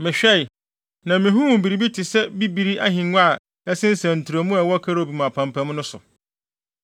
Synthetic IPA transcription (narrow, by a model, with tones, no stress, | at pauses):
mɪ̃˨ɕᶣɛ˦i˨ | nã˨mɪ̃˨ɦũ˦wũ˨bi˨ɾi˨bi˦tʰɪ˨sɛ˦bi˦bi˨ɾi˦ʔa˦ɦɪ̃˨nʷ˦a˦˨ | ɛ˦sɪ̃˦n̩˦sæ̃˨n̩˨tʰu˨ɾo˨mũ˦ɛ˨wɔ˦kʰa˦ɾo˦˨bi˨m̃˨a˨pʰã˨m˨pʰã˨˦m˦nʊ̃˦sʊ̰˨